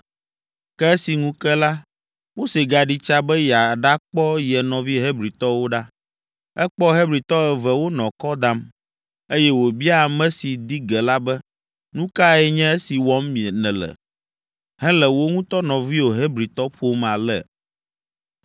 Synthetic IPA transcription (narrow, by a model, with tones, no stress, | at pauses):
kɛ˦ɛ˦si˨ŋũ˦kɛ˦la˦ | mo˦se˨ɡa˨ɖi˦t͡ʃa˦bɛ˦ja˨ɖa˦k͡pɔ˦jɛ˨nɔ̃˨vi˦ɦe˦bɾi˨t̪ɔ˦wo˦ɖa˦ | ɛ˦k͡pɔ˦ɦe˦bɾi˨t̪ɔ˦ɛ˨vɛ˨wo˦nɔ̃˨kɔ˦d̪a˦m | e˦jɛ˦wo˨bi˦a˨mɛ̃˦si˨d̪i˦ɡɛ˨la˦bɛ˦ | nũ˦ka˦ɛ˨ɲɛ̃˦e˦si˨wɔ˦mːĩ˨ɛ˨nɛ̃˨lɛ̰˨ | ɦɛ̃˦lɛ˨wo˦ŋũ˦t̪ɔ˦nɔ̃˨vi˦o˨ɦe˦bɾi˨t̪ɔ˦ɸo˦ma˨lɛ˨